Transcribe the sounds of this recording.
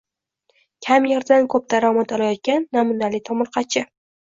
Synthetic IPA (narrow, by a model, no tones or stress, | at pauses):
kʲʰamjeɾd̪ankʰɵp̚d̪̥aɾɒmat̪ɒlˠajɒt̪̚kʲanːamʊnalɪt̪ʰɒmʊɾqɑt͡ʃʰɪ